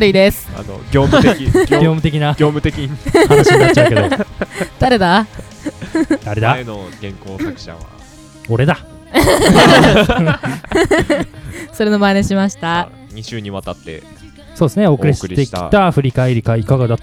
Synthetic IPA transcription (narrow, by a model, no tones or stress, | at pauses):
aɾɯ̟id̪esɨ̥a̰no̰ɡʲoːmɡɡʲo̞ːmɯ̟t̪ekʲinaɡʲoːmɯ̟t̪ekʲiɲ | at͡ɕaked̪od̪̥aɾe̞d̪a | d̪aɾe̞d̪anoɡẽ̞ŋkoːsakɯ̥ɕa̰βa̰ | oɾe̞d̪a | soɾeno̞maneɕimaɕi̥t̪a | ɲ̟iɕɨːɲ̟ĩβat̪at̪ːḛ | so̞ːd̪sɨneokkɾisɯ̥ɾiekt̪ʲi̥t̪aɸɯ̟ɾʲikaeɾʲikaikaɡad̪at̪